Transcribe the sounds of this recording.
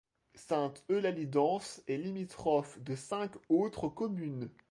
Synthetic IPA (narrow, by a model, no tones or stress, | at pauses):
sɛ̃t̪ølalid̪ɑ̃sɛlimit̪χɔfd̪əsɛ̃kot̪χəkɔmyn